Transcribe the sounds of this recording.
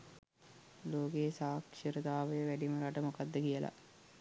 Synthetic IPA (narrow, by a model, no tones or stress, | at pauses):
loːɡeːsaːkʂiɾəd̪aːʋəjəʋæɖiməɾaʈəmokad̪ːəkijəla̰